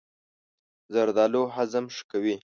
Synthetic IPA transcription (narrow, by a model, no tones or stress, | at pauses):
zaɾd̪ɑloɦazamʂkawi